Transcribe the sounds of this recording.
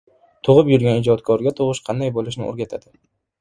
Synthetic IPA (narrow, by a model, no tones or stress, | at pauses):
t̪ʰʊʁɨpjʊɾɡʲanɪd͡ʒɒt̪kʰɒɾɡʲat̪ʰʊʁɨʃqʰɑnd̪ajbolˠɪʃnɪ̰ʔo̰ɾɡʲat̪ʰad̪̥ɪ